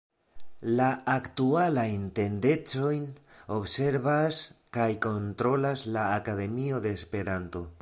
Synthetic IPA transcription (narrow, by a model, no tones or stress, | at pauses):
laːktualajnte̞nde̞t͡so̞jno̞bse̞ɾβaskajko̞nt̪ɾo̞laslaːkaðe̞mio̞d̪e̞ːspe̞ɾanto̞